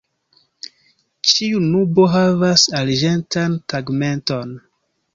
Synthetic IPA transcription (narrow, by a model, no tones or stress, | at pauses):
t͡ʃiunubo̞ɦavasald͡ʒe̞ntʰantaɡme̞nto̞n